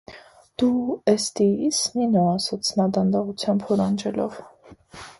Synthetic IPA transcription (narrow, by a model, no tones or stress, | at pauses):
d̪̥uɛst̪iisninɔːsɑt͡sʰnɑd̪ɑnd̪ɑʁut͡sʰjɑmbhɔɾɑnd͡ʒɛlɔ̰v